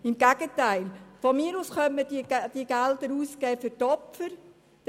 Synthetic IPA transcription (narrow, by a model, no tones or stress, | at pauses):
ɪmɡæɡ̥ətæɪlfɔmiːɾuːsχœntmədid̥iɡæld̪əɾuːskɛːfɨɾtɔpfəɾ̥